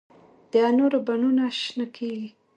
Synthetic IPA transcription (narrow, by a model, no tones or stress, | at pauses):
d̪̥ɑnoɾabanunaʃnakʰeɡi